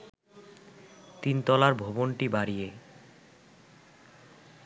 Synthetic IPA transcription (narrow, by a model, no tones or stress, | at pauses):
t̪int̪ɔlaɾbʱobonʈibaɾije